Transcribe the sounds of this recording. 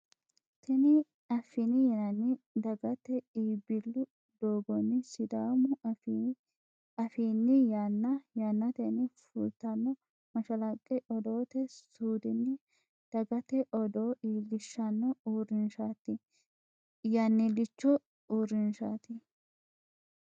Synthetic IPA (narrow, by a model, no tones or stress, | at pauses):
t̪ʰɛnɪ | ɐfːɪnɪjɛnɐnːɪd̪ɐɡɐt̪ɛiːbɪlːʊ | d̪̥oːɡɔnːɪsɪd̪aːmʊf | ɐfiːnːɪjanːɐjanːɐt̪ɛnɪfṵlt̪ːɐnːɔ | mɐʃɐlɐkʼːɛʔɔd̪o̞ːt̪ɛsuːd̪ɪnːɪ | d̪̥ɐɡɐt̪ɛʔɔd̪oːʔiːlːɪʃːɐnːɔuːɾɪnʃat̪ːɪ | jaːnːilɪt͡ʃːɔ | uːɾɪnʃaːt̪ɪ